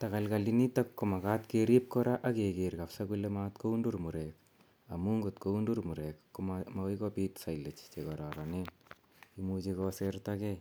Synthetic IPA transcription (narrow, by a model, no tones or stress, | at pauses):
takalkalinitakːomakatkeɾip̚kɔɾaʔakekerkafsakulematkoundurmuɾek | amuŋɡutkoundurmuɾekːomamawikɔpitsajlːet͡ʃt͡ʃekɔɾaɾanen | imut͡ʃekɔsertake